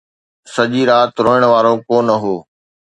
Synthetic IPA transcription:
sɐʄiːɾaːt̪ɾoːəɽ̃ʋaːɾokoːnɐɦoː

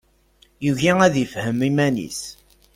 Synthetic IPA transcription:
juʝiæðifhəmimænḭs

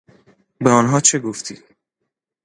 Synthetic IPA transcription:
beɒnɦɒːt͡ʃʰeɡoft̪ʰḭːd̪̥

